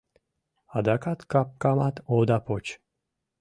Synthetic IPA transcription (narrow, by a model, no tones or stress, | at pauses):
ad̪akat̪kap̚kamat̪od̪apot͡ɕ